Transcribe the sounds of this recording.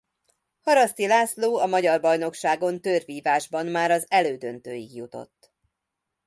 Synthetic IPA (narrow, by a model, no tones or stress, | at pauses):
hɒɾɒst̪ilaːsloːɒmɒɟɒrbɒjno̞kʃaːɡo̞nt̪øːrviːvaːʒbɒmmaːɾɒzɛløːd̪ønt̪øːjiɡjut̪o̞̰t̪ː